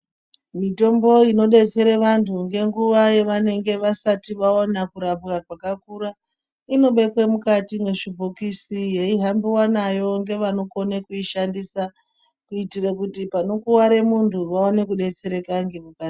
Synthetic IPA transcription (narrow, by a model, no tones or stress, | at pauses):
mito̞mbo̞ino̞ɗe̞t͡se̞ɾeʋantʰuŋɡe̞ŋɡuʋajeʋane̞ŋɡe̞ʋasatiʋaonakuɾapɣakwakakuɾa | ino̞ɓe̞kwemukatiŋɡe̞ʐibʱokisijeiɦambiwanajo̞ŋɡe̞ʋano̞ko̞nekuiʃandisa | kuitirekutipano̞kuwaɾe̞muntʰuʋao̞ne̞kuɗe̞t͡se̞ɾe̞kaŋɡemukati